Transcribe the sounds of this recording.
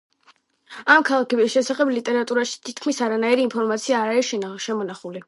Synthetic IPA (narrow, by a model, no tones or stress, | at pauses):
amkʰalˠakʰɛbisʃɛsaχɛblit̪ʼɛɾat̪ʼuɾaʃi̥t̪ʰit̪kʰmisaɾanaiɾiːnpʰɔɾmat̪sʰiaːɾaɾiʃɛʃɛmɔnaχuli